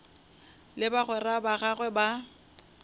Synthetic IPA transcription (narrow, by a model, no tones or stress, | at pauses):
lɪbaɣwɛrabaɣaɣwɛba